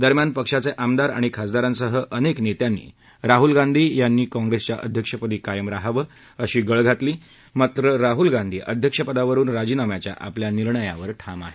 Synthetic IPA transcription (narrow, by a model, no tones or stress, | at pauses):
d̪əɾmjanpəkʂat͡seʔamd̪aɾa̰ɽ̃ikʰasd̪aɾãnsəɦəʔəneknet̪janːḭː | ɾaɦulɡand̪ʱiːjanːiːkɔ̃ŋɡɾest͡ɕjaʔə̰d̪ʱjəkʂəpəd̪iːkajəmɾaɦaʋə | əɕiːɡəɭɡʱat̪liː | mat̪ɾəɾaɦulɡãnd̪ʱḭːʔəd̪ʱjəkʂəpəd̪aʋəɾuːnɾad͡ʑiːnamjat͡ɕja̰ʔa̰pljaniɾɳəja̰ʋəɾʈʰama̰ɦe